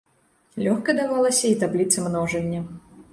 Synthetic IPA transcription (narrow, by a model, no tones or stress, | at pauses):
lʲɔxkɐd̪avalˠɐsʲɐit̪ablʲit̪sɐmnɔʐɐnʲːɐ